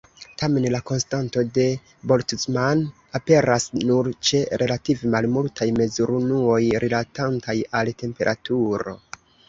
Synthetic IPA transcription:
tʰame̞nlako̞nstanto̞de̞ | bo̞ltisman | ape̞ɾasnuɾt͡ʃe̞ɾe̞lativemalmultʰajme̞zuɾunuo̞jɾilatantʰajalte̞mpe̞ɾʔa̰tuɾo̞̰

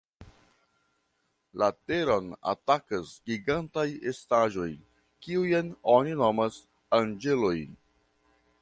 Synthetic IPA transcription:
lateɾona̰takasɡiɡantajestaʒo̞j | kiujanoninomas | and͡ʒe̞lojn

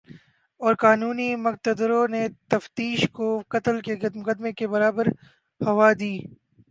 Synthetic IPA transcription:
ɔːɾkaːnuːnimʊk̚t̪əd̪ɾonet̪ɐft̪iːʃkokɐt̪əlkemʊkəd̪mekebɐɾaːbəɾ | hɐʋaːd̪iː

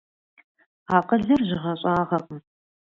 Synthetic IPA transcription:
aːqəɮɨrʑɪʁɐɕʼaːʁɐqʼ

